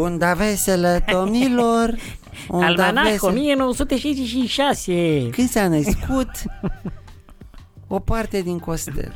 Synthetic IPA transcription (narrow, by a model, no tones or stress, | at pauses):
und̪aveseled̪omnilor | ualanaesomijenowəsut̪eʃajzeʃiʃasekɨnd̪sanəskut̪ | opart̪ed̪iŋkost̪ə̰